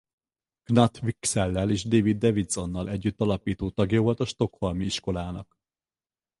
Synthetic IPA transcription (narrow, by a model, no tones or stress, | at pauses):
ɡ̥nɒt̪ʋiksɛlːɛleːʒd̪eːvid̪ːɛvid̪z̥o̞nːɒlʔɛɟːyt̪ːɒlɒpiːt̪oːt̪ɒɡjɒvo̞lt̪ɒʃt̪o̞kho̞lmiiʃko̞laːnɒk